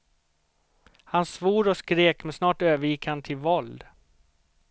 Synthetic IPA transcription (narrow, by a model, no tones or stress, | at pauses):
hansvuːɾɔskɾeːkmɛnsnɑːʈøːvəɾjɪkʰhant̪ʰɪlvɔld̪